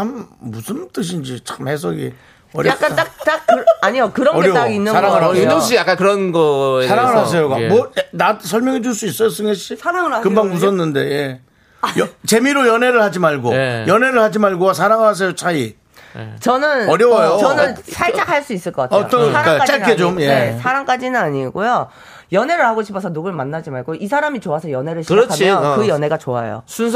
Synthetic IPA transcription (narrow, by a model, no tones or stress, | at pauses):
ammusʰɯnt͈ɯɕ̬ʰind͡ʑit͡ɕʰamhes̬ʰʌɡḭ | ʌɾjak͈aakt͈akaɲiokɯɾʌnʌɡeɾʌaɡinːɯsaɾaŋɯɭɦaunʌŋs̬ʰuijak͈ankɯɾʌnɡʌesʰaɾaŋɯɭɦas̬ʰe̞jokamʌnatsʰʌɭmjʌŋɦeduɭs͈uis͈ʌjʌs͈ɯnɡʌɕiaɾaŋɯɭakɯmbaŋmus̬ʰʌnːɯnde̞̰je | jʌt͡ɕe̞miɾojʌne̞ɾɯɭhad͡ʑimaɭɡojʌne̞ɾɯɭhad͡ʑimaɭɡoas̬ʰaɾaŋɯɭɾɦas̬ʰe̞jot͡ɕʰai | t͡ɕʌnɯnʌɾjʌwajot͡ɕʌnɯnsʰaɭt͡ɕ͈akʰaɭs͈uis͈ɯɭk͈ʌk͈atʌ̰t͈ʌaakat͡ɕ͈aked͡ʑomjeesʰaɾaŋk͈ad͡ʑinɯnaɲiɡojo | jʌne̞ɾɯɭhaɡoɕʰipʰʌsʰʌnuɡɯɭmanːad͡ʑimaɭɡoʔisʰaɾamit͡ɕoasʰʌjʌne̞ɾɯɭɕɯɾʌkʰaiʌkɯjʌne̞ɡat͡ɕoa̰jo̰sʰuns